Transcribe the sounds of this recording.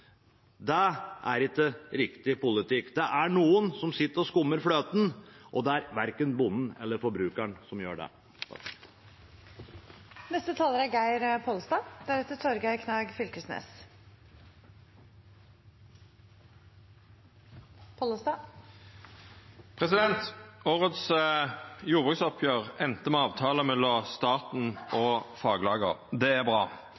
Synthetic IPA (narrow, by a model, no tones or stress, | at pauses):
d̪ɛʔæɾɪkːəɾɪkt̪ɪpʊlɪt̪ɪkːd̪ɛʔæɳuːənsɔmsɪt̪ːəɾɔskʊmːəɾfløːt̪nʔɔd̪ɛæɾʋæɾkənbʊnn̩ɛ̰lːəɾfɔɾbɾʉːkəɳsɔmjøːɖɛ̰ | nɛst̪ət̪ʰɑːləɾæɾɡæɪɾpʰolst̪ɑːd̪̥æɾɛt̪ːət̪ʰɔɾɡæɪkʰnɑːɡfʏlkəsnḛːs | pʰoːləst̪ɑː | pʰʁɛsɪd̪ɛnt̪oːʁəd̪s | juːʁbʁʉːksɔpʰjøːʁɛnt̪əmɛɑːʋt̪ʰɑːləmɛlːɔst̪ɑːt̪n̩ɔfɑːɡlɑːɡə̰ʁd̪ɛæʁbʁɑː